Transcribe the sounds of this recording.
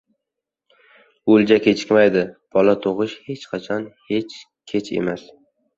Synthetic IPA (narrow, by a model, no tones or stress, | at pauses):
old͡ʒakʲe̞t͡ʃʰɪ̥kʲmajd̪ɪb̥ɒlat̪ʰoʁɨʃhe̞t͡ʃqʰɑt͡ʃʰɒnhe̞t͡ʃ | kʲʰet͡ʃʰe̞̰mas